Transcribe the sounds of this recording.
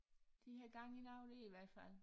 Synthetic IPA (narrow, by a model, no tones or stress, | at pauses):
d̥ihæɡ̥ɑ̈ŋinɑ̈ʊd̥eiʋæɐ̰d̥fæl̰